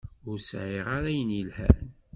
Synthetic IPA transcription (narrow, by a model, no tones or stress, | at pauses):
ʊɾsʕɪʁaɾæjənilhæ̰n